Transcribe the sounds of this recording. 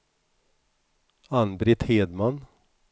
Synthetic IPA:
anbɾɪt̪heːd̪man

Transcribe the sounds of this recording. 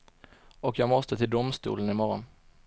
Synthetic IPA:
ɔkjɑːɡmɔst̪ət̪ʰɪld̪ʊmst̪ṵːlənɪmɔɾɔn

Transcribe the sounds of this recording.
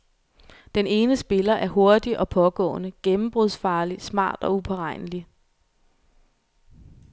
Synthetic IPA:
d̥ene̝ːnəsb̥e̝lɐʔæɐɦo̝ɐd̥iʔɒ̽pʰɒ̽ɡ̥ɔ̰̽ːnəɡ̥emm̩b̥ʁuðˠsfɑ̈ːlismɑ̰̈ːd̥ɒ̽upʰɒʁɑ̈ɪ̰nəli

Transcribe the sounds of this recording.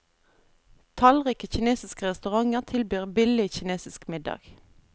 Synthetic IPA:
t̪ʰɑlʁiːkəçɪneːsɪskəʁɛst̪ʉʁɑŋəʁt̪ʰɪlbyːʁbɪlɪçɪneːsɪskmɪd̪ɑ̰ːɡ̥

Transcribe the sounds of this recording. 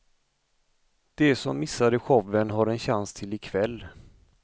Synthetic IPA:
d̪̥ɛsɔmːɪsːad̪əɧɔvːənɦaɾɛnɕanst̪ʰɪlɪkʰvɛlː

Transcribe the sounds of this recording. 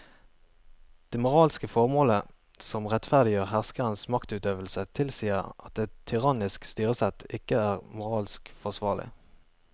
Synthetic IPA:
d̪̥eːmʊʁɑːlskəfɔʁmoːlə | sɔmʁɛt̪fæʁd̪ɪjøːʁhæʁskəʁənsmɑkt̪ʉːt̪øːʋəlsət̪ʰɪlsiːəʁɑt̪̚d̪ɛt̪ʰːʏʁɑnɪskst̪yːʁəsɛt̪ʰɪkəæːʁmʊʁɑːlskfɔʁsʋɑːʁlɪ̰

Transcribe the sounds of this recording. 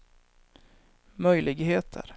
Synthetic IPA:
mœjlʔɪɡheːt̪ʰə̰ɾ

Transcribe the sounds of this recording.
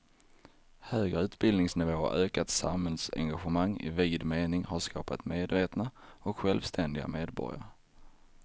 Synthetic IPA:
høːɡɾəʉ̟ːt̪bɪld̪nɪŋsnɪvoːøːkat̪sa̰mhɛlsɛ̰ŋɡaɧəmaŋːɪ̰viːd̪meːnɪŋhaʂkʰɑːpa̰t̪meːd̪veːt̪naɔkɧɛlvst̪ʰɛnd̪ɪɡa̰meːd̪bɔ̰ɾɪ̰a̰ɾ

